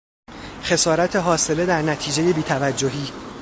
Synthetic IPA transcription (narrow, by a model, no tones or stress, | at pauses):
xe̞sɒːɾæt̪ʰe̞ɦɒːse̞le̞d̪æɾnæt̪ʰiːd͡ʒeje̞biːt̪ʰævæd͡ʒːoɦiː